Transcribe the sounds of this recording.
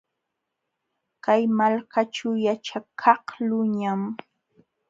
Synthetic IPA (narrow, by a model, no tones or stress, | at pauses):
kajmalkat͡ʃawjat͡ʃakʰɑhlʊɲam